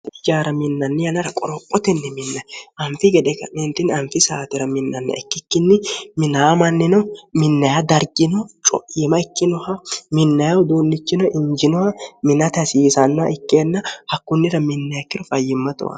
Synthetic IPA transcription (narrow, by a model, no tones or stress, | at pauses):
ɪd͡ʒaːɾɐmɪnːɐnːɪjɐnɐɾɐkʼɔɾɔpʼːɔt̪ɛnːɪmɪnːɐjʔɐmfɪɡɛd̪ɛkːɐmɛnt̪ːɪnɐmfɪsaːt̪ɪɾɐmɪnːɐnːɛ̰ɛkːɪkːɪnːɪmɪnaːmɐnːɪnɔmɪnːɐjad̪ɐɾɡɪnɔt͡ʃʼɔ̰ʔɪmɐɛkːɪnɔhɐmɪnːɐjɐwd̪uːnːɪt͡ʃːɪnɔʔɪɲd͡ʒɪnɔhɐmɪnɐt̪ɐsiːsɐnːa̰ʔɪkːeːnːɐhɐkːʊnːɪɾɐmɪnːɐjɐkːɪɾɔfɐjːɪmːɐt̪ɔ̰wɐ̰